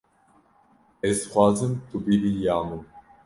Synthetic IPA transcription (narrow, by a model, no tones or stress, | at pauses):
ɛsχwazəmt̪ʰubiɾijaːnu